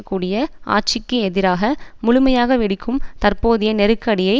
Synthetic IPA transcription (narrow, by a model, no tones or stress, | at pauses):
kːuːɽɪjɐʔa̰ːʈ̚t͡ʃɪkːɯɛðɪɾaːɣɐmʊɻʊmɐjaːɣɐʋɪɽɪkʰːɯmt̪ɐrpoːðɪjɐnɛɾɯkːɐɽɪjɐɪ